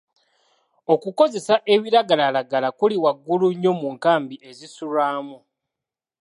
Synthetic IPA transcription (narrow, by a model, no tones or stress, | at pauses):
o̞kuko̞ze̞saʔe̞βiɾaɡalalaɡalakuliwaɡːuluɲːo̞muŋkaːmbiʔe̞zisulaːmu